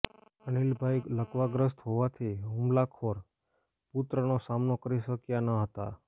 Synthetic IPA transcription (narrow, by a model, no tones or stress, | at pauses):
ənilbʱajləkʋaɡɾəst̪ɦoʋat̪ʰiɦũmlakʰoɾ | put̪ɾənosamnokəɾiʃəkjanaɦət̪a̰